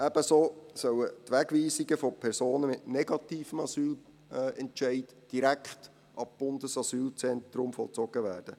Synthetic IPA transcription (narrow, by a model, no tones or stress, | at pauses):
æb̥əsoːsœwətʋæɡʋiːsiɡəfɔpʰɛɾsoːnəmɪtnɛɡɑt̪iːfəmɑsyːl | ɛntʃɛɪt | d̥iɾækχt | ʔɑb̥ʊndəsɑsyːlt͡sɛnt̪ɾʊmfɔlˠt͡sɔɡ̥əʋæːrd̥ə